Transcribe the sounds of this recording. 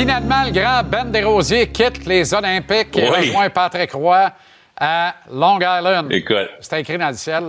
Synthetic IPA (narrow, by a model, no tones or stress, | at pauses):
finalmɑ̃ləɡʁɑ̃bɛnd̪eʁoːzjekʲʰɪt̪lezɔlɛ̃pɪkmwɛ̃pat̪ʁekʁwa | alɔ̃ɡajlɛ̃nd̪ḛkʊt̪se̥t̪ɛ̃kʁid̪ãɑ̃lsjɛl